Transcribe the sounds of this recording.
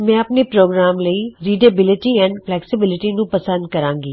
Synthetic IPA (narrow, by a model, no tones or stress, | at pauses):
mɛ̃ɐpnepɾoːɡɾaːmlɐiɾiːɖebɪlɪʈiɛ̃ːnɖflɛːksɪbɪlɪʈinũpɐsə̃nd̪̚kɐɾãːŋɡiː